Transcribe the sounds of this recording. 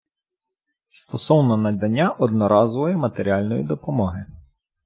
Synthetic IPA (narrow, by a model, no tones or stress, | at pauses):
st̪ɔsɔwnɔnɐd̪ɐnʲːaʔɔd̪nɔɾʔɑzʊʋɔjɛmɐt̪eɾʲiɑlʲnɔjḭd̪ɔpɔmɔɦɪ